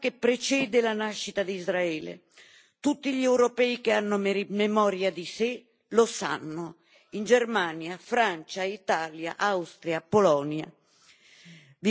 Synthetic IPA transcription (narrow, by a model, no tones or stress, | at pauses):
kepːɾet͡ʃɛːd̪elanaʃːit̪ad̪izɾaɛːlḛ | t̪ut̪ːiʎɛwɾopɛikeanːʊmmemɔːɾjad̪ise | losa̰nːʊ | ind͡ʒermanjafɾant͡ʃait̪aːlja̰ʔawst̪ɾjapːolɔnja̰ | v